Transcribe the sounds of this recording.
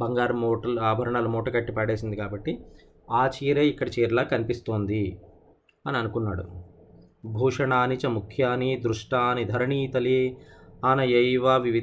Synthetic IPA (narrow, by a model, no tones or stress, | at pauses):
bɐŋɡaːɾmɔːʈɐaːbʱɐɾɐɳaːlumɔːʈɐkɐʈːipaɽe̞ːsind̪ikaːbɐʈːi | aːt͡ʃiːɾeːikːɐɽɐt͡ʃeːɾlaːkɐnipist̪oːnd̪i | ɐniɐnukunːaːɽṵ | bʱuːʂɐɳaːnit͡ʃɐmukʰjaːnid̪ɾuʂʈaːnid̪ʱɐɾɐɳiːt̪ɐliaːnɐjɐjʋɐʋiʋi